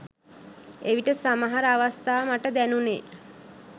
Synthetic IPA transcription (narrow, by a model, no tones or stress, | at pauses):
eʋiʈəsamaɦaɾəaʋast̪aːmaʈəd̪ænuneː